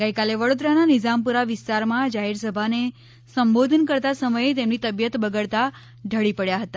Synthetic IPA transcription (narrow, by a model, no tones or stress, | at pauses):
ɡəjkaleʋəɽod̪ɾananɪd͡ʒampuɾaʋɪst̪aɾmãd͡ʒaɦiɾsəbʱane | səmbod̪ʱənkəɾt̪asəməjet̪emnit̪əbjət̪bəɡəɭt̪a | ɖʱəɭipəɭjaɦət̪a